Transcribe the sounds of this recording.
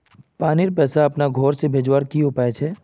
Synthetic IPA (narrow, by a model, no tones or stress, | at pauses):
paːnɪɾpɛːsaɐpnaɡʱɔːɾsebʱeːd͡ʒwaːɾkiɦopaːet͡ʃʰɛː